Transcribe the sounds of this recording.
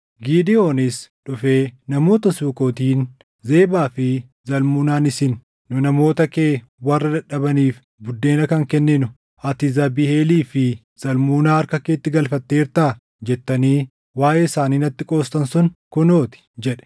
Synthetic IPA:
ɡiːd̪ɪo̞ːnɪsᶑʊfe̞ːnɐmo̞ːt̪ɐsuːko̞ːt̪iːn | ze̞ːbaːfɪ | zɐlmuːnaːnɪsɪnː | ʊnɐmo̞ːt̪ɐkeː | wɐrːɐd̪ɐᶑɐbɐniːf | bʊd̪ːe̞ːnɐkɐŋkɛnːɪnʊ | ʔɐt̪ɪzɐbihe̞ːliːfɪ | z̥ɐlmuːnaːɐɾkɐkeːt̪ːɪɡɐlfɐt̪ːe̞ːɾt̪aː | d͡ʒɛt̪ːɐniː | waːʔeːɪsaːniːnɐt̪ːɪkʼo̞ːst̪ɐnsʊnkʊno̞ːt̪ɪ̥d͡ʒɛᶑɛ̥

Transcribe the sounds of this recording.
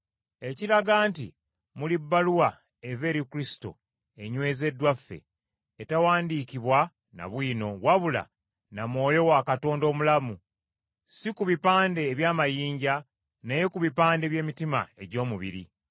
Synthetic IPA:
e̞ciɾaɡaːntḭ | mulibːaluwa | eve̞ːɾikuɾisi̥to̞̰ | eɲwe̞ːze̞dwafːe̞̰ː | tawaːndikiβwa | na̰βwiːno̞waβula̰ | namwo̞ːjo̞wakato̞ːndo̞ːmulamu | sikuβipaːnde̞ːβjaːmajiːɲɟa | neje̞kuβipaːnde̞βje̞ːmitima̰e̞ɟo̞ːmuβḭɾḭ

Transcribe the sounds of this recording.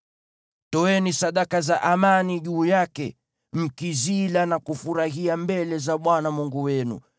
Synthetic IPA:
tɔɛnisaɗakazaʔamaniʄuːjakɛ̰ | m̩kizilanakufuɾaɦiambɛlɛzaɓwanamuŋɡuwɛnṵ

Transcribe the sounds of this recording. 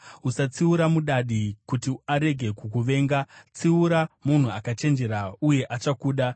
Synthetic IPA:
usat͡siuɾamuɗaɗikutiaɾe̞ɡʱe̞kukuʋe̞ːŋɡat͡siuɾamun̤uakat͡ʃe̞nd͡ʒe̞ɾauje̞ʔat͡ʃakuːɗa

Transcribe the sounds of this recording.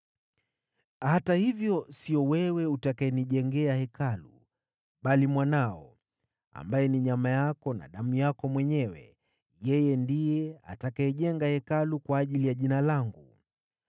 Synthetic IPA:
hatahivjɔsiɔwɛwɛutakaɛniʄɛŋɡɛahɛkalṵ | ɓalimwanaɔ | a̰mbajɛniɲamajakɔna̰ɗamujakɔmwɛɲɛwɛ̰ | jɛjɛndijɛa̰takaɛʄɛŋɡahɛkalukwaːʄilijaʄinalaŋɡu

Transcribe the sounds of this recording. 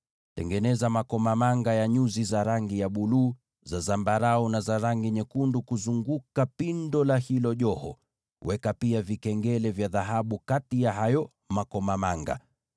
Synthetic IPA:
tɛ̰ŋɡɛnɛzamakɔmamaŋɡajaɲuzizaɾaŋɡijaɓuluː | zazambaɾaɔnazaɾaŋɡiɲɛkundukuzuŋɡukapindɔlahilɔʄɔhɔ̰ | wɛkapiavikɛŋɡɛlɛvjaðaɦaɓukatijaɦajɔ | makɔmamaŋɡa̰

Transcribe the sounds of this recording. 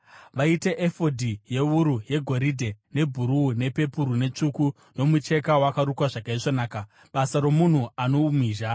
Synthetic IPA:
ʋaite̞ʔefo̞dʱije̞uɾuje̞ɡʱo̞ɾidʱe̞ne̞bʱuɾuːne̞pe̞puɾune̞t͡ʂuku | no̞mut͡ʃe̞kawakaɾukwaʐakaiʐonaːka | ɓasaɾo̞mun̤uano̞umiːʒa

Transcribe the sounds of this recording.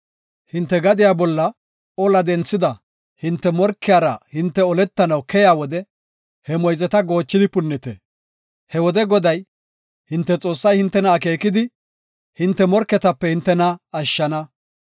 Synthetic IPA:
hɪnt̪ːɛɡɐd̪ɪjaːbɔlːɐ | ɔlɐd̪ɛnt͡sːɪd̪ɐ | hɪnt̪ːɛmɔɾkːɪjaːɾɐhɪnt̪ːɛɔlɛt̪ːɐnɐwkɛjaːwɔd̪ɛ | hɛmɔjzɛt̪ɐɡo̞ːt͡ʃːɪd̪ɪpʊnːɪt̪ɛ̰ | hɛwɔd̪ɛɡɔd̪ɐj | hɪnt̪ːɛt͡sʼo̞ːsːɐjhɪnt̪ːɛnɐːkeːkɪd̪ɪ | hɪnt̪ːɛmɔɾkːɛt̪ɐpːɛhɪnt̪ːɛnɐɐʃːɐnɐ

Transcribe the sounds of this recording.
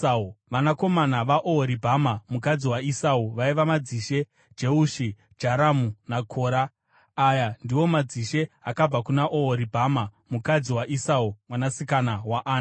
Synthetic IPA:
auʋanako̞manaʋaʔooɾibʱamamukad͡ziwaisauʋaiʋamad͡ziʃe̞ | d͡ʒeuʃi | d͡ʒaɾamunakʰoːɾaː | jandiwo̞mad͡ziʃe̞akab͡vakunaʔooɾibʱamamukad͡ziwaʔisaumwanasikanawaʔaːn

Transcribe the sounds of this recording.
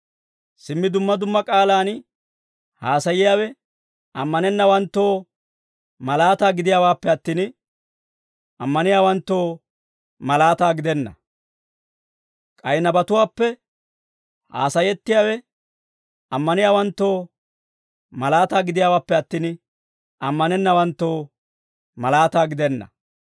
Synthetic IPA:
sɪmːɪd̪ʊmːɐd̪ʊmːɐkʼaːlaːn | haːsɐjɪjaːwɛ | ɐmːɐnɛnːɐwɐnt̪ːo̞ː | mɐlaːt̪aːɡɪd̪ɪjaːwaːpːɛɐt̪ːiːn | ʔɐmːɐnɪjaːwɐnt̪ːo̞ː | mɐlaːt̪aːɡɪd̪ɛnːɐ̰ | kʼɐjnɐbɐt̪ʊwaːpːɛ | ha̰ːsɐjɛt̪ːɪjaːwɛ | ɐmːɐnɪjaːwɐnt̪ːo̞ː | mɐlaːt̪aːɡɪd̪ɪjaːwaːpːɛɐt̪ːiːn | ɐmːɐnɛnːɐwɐnt̪ːo̞ː | mɐlaːt̪aːɡɪd̪ɛnːɐ̰

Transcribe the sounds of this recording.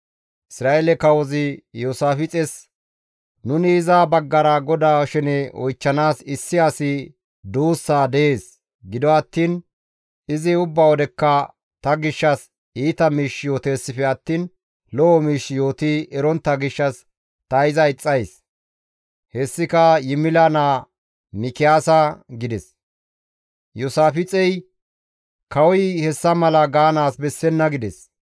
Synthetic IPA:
ʔɪsɾaːʔɛlɛkɐwɔzɪjoːsaːfɪt͡sʼɛs | nʊnɪːzaːbɐɡːɐɾɐɡɔd̪aːʃɛnɛɔjt͡ʃːɐnaːsɪsːɪɐsɪ | d̪uːsːaːd̪ɛʔe̞ːs | ɡɪd̪ɔɐt̪ːiːn | ɪzɪʊbːawɔd̪ɛkːɐ | t̪ɐɡɪʃːɐs | iːt̪ɐmiːʃjo̞ːt̪e̞ːsːɪfɛɐt̪ːiːn | lɔʔɔmiːʃːɪjo̞ːt̪iʔɛɾɔnt̪ːɐɡɪʃːɐs | t̪ɐɪzɐɪt͡sʼːɐjs | hɛsːɪkɐjɪmɪlanaː | mɪkɪjaːsɐɡɪd̪ɛs | jʊsaːfɪt͡sʼɛj | kɐwɔjhɛsːɐmɐlɐɡaːnaːsbɛsːɛnːɐɡɪd̪ɛs

